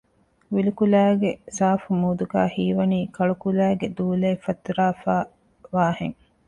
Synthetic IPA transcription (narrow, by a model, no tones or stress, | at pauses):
ʋilukulæːɡesaːfumuːd̪uɡæ̰ːhiːʋɐniːkɐɭukulæːɡed̪uːleːfɐt̪ɾaːfaː | ʋaːhḛŋ